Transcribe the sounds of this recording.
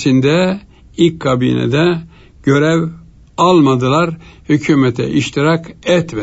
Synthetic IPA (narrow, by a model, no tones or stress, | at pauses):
sind̪ɛ | ilʲcʰːabḭːnɛ̰d̪ɛ | ɟ̥ø̞ɾɛv | alˠmad̪ɯlˠaɾhycʰyːmɛt̪ʰɛ̰ʔiʃt̪ʰiɾakɛt̪mɛ